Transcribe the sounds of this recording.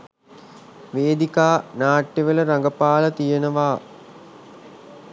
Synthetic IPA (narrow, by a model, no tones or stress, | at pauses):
ʋeːd̪ikaːnaːʈːeʋələɾaŋɡəpaːlət̪ijənəʋaː